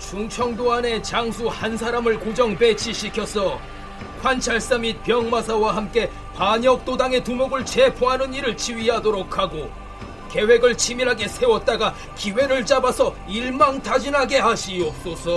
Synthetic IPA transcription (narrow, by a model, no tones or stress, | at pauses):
t͡ɕuŋt͡ɕʰʌŋdoane̞t͡ɕaŋsʰuhans̬ʰaɾamɯɭkod͡ʑʌŋpe̞t͡ɕʰiɕʰikʰjʌsʰʌ | ɸwant͡ɕʰaɭs͈amit̚pjʌŋmas̬ʰawaɦamk͈e̞ | paɲʌk̚t͈odaŋe̞tumoɡɯɭt͡ɕe̞pʰoɦanɯniɾɯɭt͡ɕiɥiɦadoɾokʰaɡo | ke̞we̞ɡɯɭt͡ɕʰimiɾɦaɡe̞sʰe̞wʌt̚t͈aɡa | kiwe̞ɾɯɭt͡ɕ͈abasʰʌ | iɭmaŋtʰad͡ʑinɦaɡe̞ɦaɕʰios͈osʰʌ